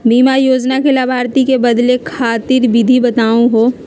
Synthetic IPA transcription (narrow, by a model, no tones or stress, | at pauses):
biːmajoːd͡ʒnakelabʱaːɾt̪ikebɐd̪lekʰaːt̪ɪɾbɪd̪ʱibɐt̪aːũɦoː